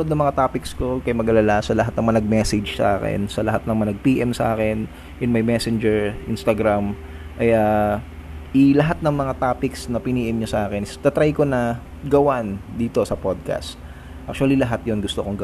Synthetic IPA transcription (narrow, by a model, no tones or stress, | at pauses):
od̪nɐŋmɐŋat̪aːpɪksko̞kɐjmɐɡʔɐlalasɐlɐɦat̪̚nɐŋmɐnɐɡ̚mɛsɛd͡ʒsɐ̰ʔaːkɛ̰nsɐlɐɦat̪̚nɐŋmɐnɐɡ̚piːʔɛmsɐʔa̰ːkɛn | ʔɪnmɐjmɛsɛnd͡ʒɛɹʔɪnst̪ɐɡɾam | ʔɐja | ʔɪlɐɦat̪̚nɐŋmɐŋat̪aːpɪksnɐpɪniːʔɪmɲosɐʔaːkɛnɪst̪ɐt̪ɾajko̞nɐ | ɡɐwand̪iːt̪o̞sɐpod̪̚ka̰st̪̚ | ʔak̚t͡ʃʊɐlilɐɦat̪̚jonɡʊst̪okoŋɡ